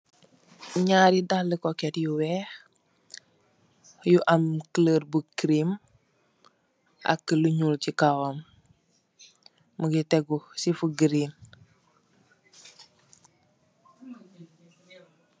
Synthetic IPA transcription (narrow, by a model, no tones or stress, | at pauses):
ɲaːɾidalːəkoketjuwɛh | juʔamkələɾbukɾim | a̰kːəluɲulcikawam | məɡiteɡusifuɡɾin